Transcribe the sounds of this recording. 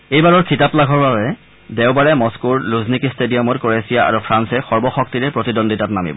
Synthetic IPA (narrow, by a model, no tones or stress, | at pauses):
ejbaɹɔɹkitaplaɡʱɔɹbabɛ | dewbaɹɛmɔskuɹluznikistediɔmɔtkɔɹesijaa̰ɹupʰɹansɛxɔɹbɔxɔk̚tiɹɛpɹotidondʱitatnamḭbɔ